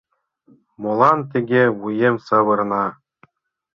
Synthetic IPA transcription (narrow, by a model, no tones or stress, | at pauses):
molˠɑnt̪ʲeɡʲewujemsɤ̆βɤ̆rnɑ